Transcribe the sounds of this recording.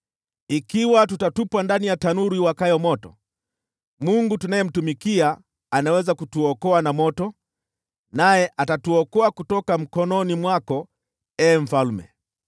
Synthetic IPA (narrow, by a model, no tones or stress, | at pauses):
ikiwatutatupwandanijatanuɾiwakajɔmɔtɔ | muŋɡutunajɛm̩tumikiaː | nawɛzakutuɔkɔanamɔtɔ | najɛʔatatuɔkɔakutɔkam̩kɔnɔnimwakɔ | ɛːm̩falmɛ̰